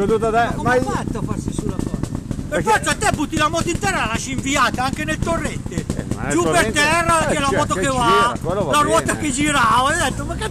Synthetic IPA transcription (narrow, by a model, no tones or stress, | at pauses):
od̪ut̪akːomfat̪ːofarsisulakɔːzpefɔɾt̪sat̪ːɛbut̪ːilamɔːt̪oint̪ɛrːaalaʃiɱviaːt̪aaŋk̟enelt̪orːet̪ːeʒuppːert̪ɛrːat͡ʃɛlamɔːt̪̬okevalaɾwɔːt̪aked͡ʒiɾavaɛjd̪et̪ːomakːe